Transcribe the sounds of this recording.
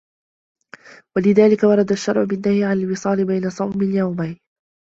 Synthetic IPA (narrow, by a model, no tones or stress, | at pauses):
walɪðaːlɪkawɑɾˤɑd̪aʃːɑɾˤʕʊbɪnːahiːʕanalwɪsˤɑːlɪbajnasˤɑwmɪnjawmajn